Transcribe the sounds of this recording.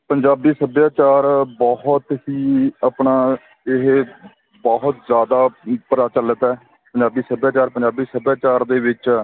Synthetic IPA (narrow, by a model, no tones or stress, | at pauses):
pəɲd͡ʒaːbiːsəbjaːt͡ʃaːɾbɔːɦʊt̪ɦiːapɳaː | ɪɦ | bɔːɦʊt̪zjaːd̪aːpəɾaːt͡ʃələt̪ɛː | pəɲd͡ʒaːbiːsəbjaːt͡ʃaːɾpəɲd͡ʒaːbiːsəbjaːt͡ʃaːɾd̪eːʋɪt͡ʃ